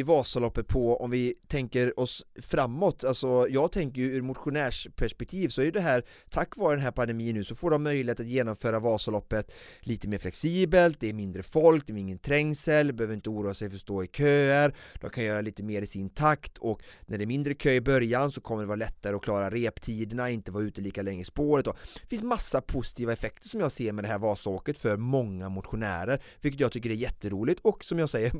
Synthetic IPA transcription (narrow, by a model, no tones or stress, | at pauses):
ɪvɑːsalɔpːət̪̚pʰɔɔ̰mvɪt̪ʰɛŋkəɾɔsfɾamːɔt̪ːalsɔjɑːɡ̚t̪ʰɛŋkəɾjɵʉːɾmʊt̪ɧʊnæːʂpʰæʂpɛk̚t̪ʰiːvsɔæɾjɵd̪ɛɦæːɾ | t̪ʰakːvɑːɾəd̪ɛnɦæːɾpʰand̪ɛmiːənːʉːsɔfoːɖɔmːœʏjlɪheːt̪at̪jeːnɔmfœːɾavɑːsalɔpːət̪liːt̪əmeːɾflɛksiːbəlt̪̚d̪ɛːɾmɪnd̪ɾəfɔlk̚d̪ɛɾɪŋːənt̪ʰɾɛŋsəlbɛhøːvəɾɪnt̪əuːɾuːasɛjfœʂt̪oːɪkʰøːæɾd̪̥ɔmkʰanjœːɾaliːt̪əmeːɾɪsɪnt̪ʰakt̪ʰɔknæɖɛmɪnd̪ɾəkʰøːɪbœɾjansɔkʰɔmːəɖɛvɑːɾlɛt̪ːaɾəɔkʰlɑːɾaɾeːpt̪ʰiːd̪ənaɪnt̪əvɑːɾʉ̟ːt̪əliːkalɛŋːəɪspoːɾət̪̚d̪ɔ̥fɪnsmasːapʰʊsɪ̥t̪ʰiːvaɛfɛk̚t̪əʂɔmjɑːɡseːɾmɛd̪ɛɦæːɾvɑːsoːkət̪fœɾmɔŋːamʊt̪ɧʊnæ̰ːɾəɾvɪlkət̪jɑːɡt̪ʰʏkːəɖɛæɾjɛt̪ːəɾuːlɪɡt̪ɔksɔmjɑːɡsɛjːəɾ